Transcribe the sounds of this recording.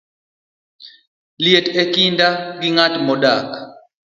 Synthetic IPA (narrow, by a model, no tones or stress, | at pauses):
lietɛkindaɡiŋatmɔɗakḁ